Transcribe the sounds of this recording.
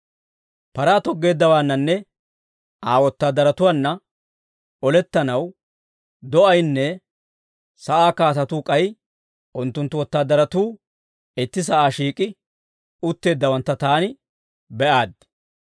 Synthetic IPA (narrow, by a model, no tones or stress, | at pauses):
pɐɾaːt̪ɔɡːe̞ːd̪ːɐwaːnːɐnːɛ | aːwɔt̪ːaːd̪ɐɾɐt̪ʊwanːɐ | ɔlɛt̪ːɐnɐw | d̪ɔʔɐjnːɛ | sɐʔaːkaːt̪ɐt̪uːkʼɐj | ʔʊnt̪ːʊnt̪ːʊwɔt̪ːaːd̪ɐɾɐt̪uː | ɪt̪ːɪs̬ɐʔaːʃiːkʼɪ | ʔʊt̪ːe̞ːd̪ːɐwɐnt̪ːɐt̪aːnɪ | bɛʔaːd̪